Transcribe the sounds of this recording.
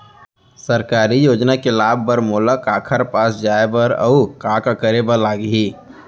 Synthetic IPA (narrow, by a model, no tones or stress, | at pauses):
səɾkaːɾijoːd͡ʒnakelaːb̚ʱːəɾmoːləkaːkʰəɾpaːsd͡ʒaːebəɾə̰ukaːkakəɾebəlaːɡɦiː